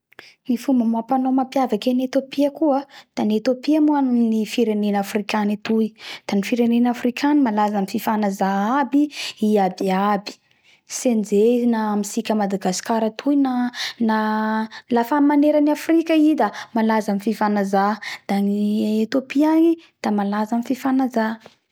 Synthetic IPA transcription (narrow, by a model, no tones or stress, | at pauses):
nifumbəmapanomapjavakenet̪opiəkuəd̪̥anet̪opiamuannifiɾenenafrikʲanit̪uid̪̥anifiɾenenafrikʰʲanimalazamififanazaabiiabiabi̥ | send͡zeizinamisikʲəmad̪aɡasi̥kaɾət̪ʰujinana | lafamaneɾanafrikʲaid̪amalazamififanazad̪̥aniet̪opianid̪̥amalazamififanaza